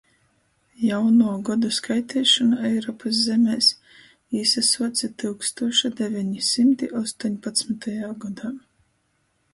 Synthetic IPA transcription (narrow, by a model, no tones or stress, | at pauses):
jawnuɔɡɔd̪uskajt̪ʰɛːʃɔnaɛjɾɔːpaszɛmɛːs | iːsasɔt̪sʲat̪ɨwkst̪uɔʃad̪evʲɛɲisimt̪iʔɔst̪uːɲʲpat̪smit̪ajaːɡɔd̪aː